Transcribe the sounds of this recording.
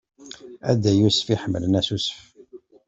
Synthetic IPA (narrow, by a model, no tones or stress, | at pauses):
æd̪æjusə̥fiħəmːələnæsusə̥f